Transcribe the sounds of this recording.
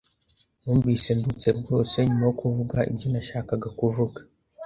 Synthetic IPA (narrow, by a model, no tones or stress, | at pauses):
nuːmviːsendut͡se̞bɡo̞ːse̞ɲumajokuvuɡaḭbɟonaʃaːkaɡakuvuɡḁ